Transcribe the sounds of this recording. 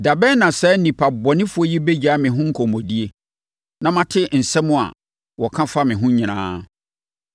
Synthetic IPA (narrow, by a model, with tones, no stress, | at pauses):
da˨bɛ˦nã˨sɛ˨˦n̩˦nĩ˨pʰa˨bɔ˨nɪ̃˦fu˦ɔ˦ji˦be˦d͡ʑa˨˦mɪ̃˨ɦʊ̃˦ŋ̩˦kʰɔ˨mɔ̃˨di˦e˦ | nã˦mã˦tʰɪ˦n̩˨sɛ˦mʊ̃˦˨a̰˨ | wɔ˨kʰã˦fa˦mɪ̃˨ɦʊ̃˦ɲɪ̃˨ñã̰ː˦